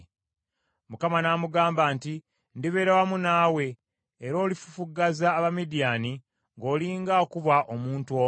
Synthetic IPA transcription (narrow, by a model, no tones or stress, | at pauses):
mukamanaːmuɡaːmbaːnti | ndiβe̞ːɾawamunaːwe̞ː | ɾo̞ːlifu̥fuɡazaːβamidijaːni | ŋɡo̞ːliːŋɡaokuβaʔomuːntuo